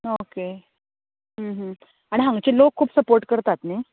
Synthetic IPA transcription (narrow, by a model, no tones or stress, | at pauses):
oke | ɦə̃ɦə̃ | aɽ̃iɦãŋɡt͡ɕelokʰːuːpsəpoɾʈkəɾt̪at̪ne